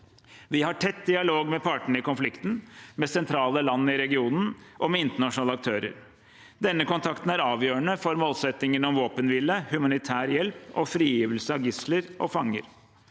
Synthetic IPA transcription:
ʋɪhɑʈʰɛt̪ːd̪ɪɑloːɡmɛpʰɑʈəɳ̩ɪkʊnflɪkt̪n̩mɛsɛnt̪ʰɾɑːləlɑnːɪɾɛɡɪuːnn̩ʔɔmɛɪnt̪əɳɑʂnɑːləɑk̚t̪ʰøːɾə̰ɾ | d̪ɛnːəkʊnt̪ʰɑkt̪n̩æɾɑːʋjøːəɳəfɔɾmoːlsɛt̪ːɪŋənɔmʋoːpənʋɪləhʉmɑnɪt̪ʰæːɾjɛlpɔ̰fɾiːjiːʋəlsəɑʋɡɪsləɾʔɔ̰fɑŋːə̰ɾ

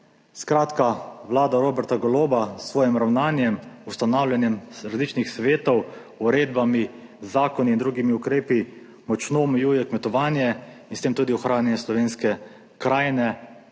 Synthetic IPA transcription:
skɾaːt̪kaʋlaːd̪aɾoːbɛɾt̪aɡɔloːbasːʋɔːjɛmɾawnaːnjɛmust̪anawlʲjanjɛmɾazlit͡ʃnixsʋeːt̪ɔw | uɾeːd̪bami | zːaːkɔniːnd̪ɾuːɡimiukɾeːpi | mɔt͡ʃnoːmɛjuːjɛkmɛt̪ɔʋaːnjɛinst̪eːmt̪uːd̪iɔxɾaːnjɛnɛslɔʋeːnskɛ | kɾaːjnɛ

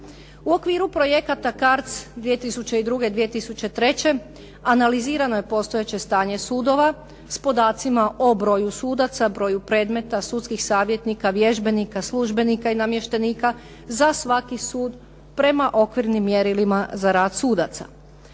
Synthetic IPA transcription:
uo̞kʋiːɾupɾo̞je̞kat̪akaɾt̪sd̪ʋije̞t̪isut͡ɕe̞id̪ɾuɡe̞d̪ʋie̞t̪isut͡ɕe̞t̪ɾe̞t͡ɕe̞ | analiziːɾano̞je̞po̞st̪ojet͡ɕe̞st̪aːɲe̞suːd̪o̞ʋa | spo̞d̪aːt̪simaʔo̞bɾo̞ːjusuːd̪at̪sabɾo̞ːjupɾe̞ːd̪me̞t̪asut̪skixsaːʋjet̪nikaʋjeʒbe̞nikaslˠuʒbe̞nikainamje̞ʃt̪e̞niːka | zasʋakisuːd̪ | pɾe̞maʔo̞kʋiɾnimːje̞ɾilimazaɾaːd̪suːd̪at̪sa̰

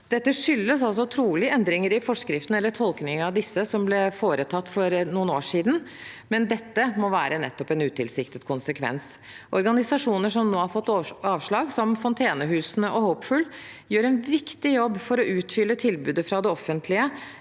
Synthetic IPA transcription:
d̪̥ɛt̪ːəʂʏlːəsɑls̬ɔt̪ʰɾuːlɪəɛnd̪ɾɪŋəɾɪfɔʂkɾɪft̪n̩ɛlːəʈʰɔlknɪŋɑʋd̪ɪsːəsɔmblɛfoːɾət̪ʰɑt̪ːfɔɾnuːnoːʂiːd̪n̩mɛnd̪ɛt̪ːəmɔʋæːɾənɛ̰t̪ːɔpɛnʉːt̪ʰɪlsɪkt̪ət̪kʰʊnsəkʰʋɛ̰ns | ʔɔɾɡɑnɪsɑʂuːnəʂɔmnoːhɑɾfɔt̪ːɑːʋʂɭɑːɡsɔmfɔnt̪ʰeːnəɦʉːsnəʔɔhoʊpfʉl | jøːɾɛnʋɪkt̪ɪjɔbːfɔɾɔʔʉːt̪fʏlːət̪ʰɪlbʉːd̪əfɾɑd̪ɛɔfːənt̪ʰlɪə

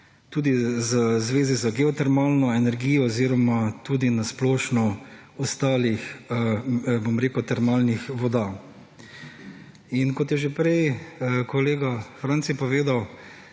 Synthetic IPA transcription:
t̪uːd̪izəzʋeːzizaɡɛɔt̪ɛɾmaːlnɔɛnɛɾɡiːjɔɔziːɾɔmat̪uːd̪inasplɔːʃnɔ | ɔst̪aːlix | bomɾeːkut̪ɛɾmaːlnixʋɔd̪a | inkɔt̪jɛʒepɾɛjkɔleːɡafɾant̪sipɔʋeːd̪aw

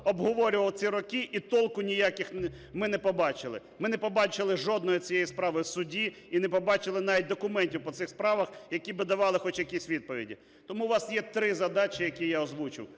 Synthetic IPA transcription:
ɔbɦɔʋɔɾʲʊʋɐlˠt͡sʲiɾɔkɪʔit̪ɔlˠkʊnʲijakʲɪx | mɪnɛpɔbɑt͡ʃɪlˠɪ̰ | mɪnɛpɔbɑt͡ʃɪlˠɪʒɔd̪̚nɔjit͡sʲijɛjispɾɑʋɪwsʊdʲi | inɛpɔbɑt͡ʃɪlˠɪnɑʋʲit̚ʲd̪ɔkʊmɛnʲtʲiwpɔt̪sɪxspɾɑʋɐxjɐkʲibɪd̪ɐʋɑlˠɪxɔt͡ʃjɐkʲisʲʋʲid̪̚pɔʋʲḭdʲḭ | t̪ɔmuʋɑsjɛt̪ɾɪzɐd̪ɑt͡ʃʲɪjɐkʲijaɔzʋut͡ʃɪ̰w

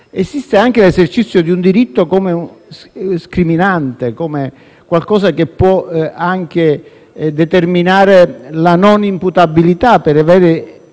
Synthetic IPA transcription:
esist̪eaŋk̟elesert͡ʃit̪sːjod̪iund̪iɾit̪ːokomeu | skɾiminant̪ekome | kwalkɔːsak̟epːwɔaŋk̟e | d̪et̪erminaːɾelanɔnimput̪abilit̪apːeɾavɛːɾe

